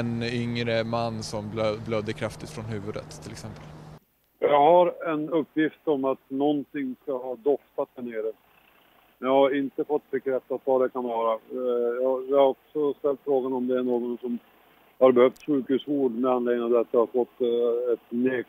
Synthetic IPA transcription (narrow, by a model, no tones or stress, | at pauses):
ɛnʏŋɾəmanːsɔmlblœd̪ːəkʰɾaft̪ɪt̪fɾɔnhʉ̟ːvɵd̪ə̰t̪ʰːɪlɛksɛmpəl | jɑːɡhaɾɛnɵpːjɪft̪ɔmat̪nɔnt̪ɪŋːskaɦɑːd̪ɔft̪at̪̚d̪æɳeːɾə | jɑhaɾɪnt̪əfɔt̪ːbɛkɾɛt̪ːat̪vad̪ɛkʰanvɑːɾajɑjɪhaɾɔksɔst̪ɛlt̪fɾoːɡanɔmd̪ɛæɳoːɡɔnsɔm | haɾbɛhœft̪ɧʉ̟ːkhʉ̟ːsuːɖmɛanleːŋːənavd̪ɛat̪jɑhaɾfɔt̪ːɛt̪neː